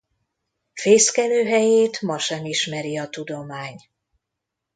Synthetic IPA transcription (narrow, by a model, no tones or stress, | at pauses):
feːskɛløːɦɛjeːt̪mɒʃɛmiʃmɛɾiɒt̪ud̪o̞maːɲ